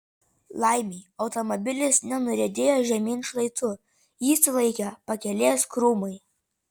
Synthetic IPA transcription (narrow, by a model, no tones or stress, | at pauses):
lˠɐɪmʲiːɒʊt̪ɔmɔbʲɪlʲɪsnʲɛnʊɾʲɛd̪ʲeːjoːʒʲɛmʲiːnʃlˠɐɪt̪ʊ | jiːsʲɪlˠɐɪkʲɛpɐkʲɛlʲeːskɾuːmɐɪ